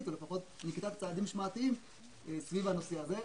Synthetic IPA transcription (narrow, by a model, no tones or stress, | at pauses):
t̪ule̞faχo̞t̪nikt̪avt͡saːd̪imʃmat̪iim | esvivanosiaze